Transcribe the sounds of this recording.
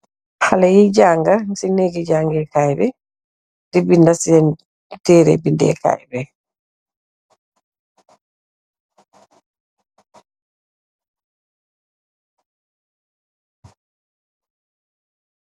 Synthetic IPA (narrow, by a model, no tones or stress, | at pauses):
halajid͡ʒaːŋɡasineɡid͡ʒaːŋɡɛkajbɛ | dibindasijɛn | tɛːɾḛbindɛ̰ka̰jbɛ